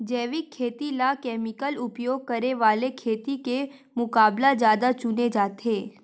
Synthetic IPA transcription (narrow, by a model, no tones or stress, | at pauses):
d͡ʒɛːʋɪkʰːeːt̪ilakɛːmɪkəlʊpjoːɡ̚kəɾeʋaːlekʰeːt̪ike | mʊkaːblazjaːd̪at͡ʃʊned͡ʒaːt̪eː